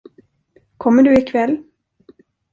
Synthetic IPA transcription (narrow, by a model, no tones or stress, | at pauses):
kʰɔmːəɖɵɪkʰvɛlː